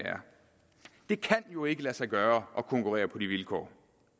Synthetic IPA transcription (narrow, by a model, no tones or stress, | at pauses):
æɐ | d̥e̝kʰænjo̝e̝ɡ̥əlæsɑ̈ɪɡ̥ɶːɐʔɒ̽kʰɒ̽ŋkʰuʁɛ̰ːɐpʰɒ̽diʋilkʰɒ̰ː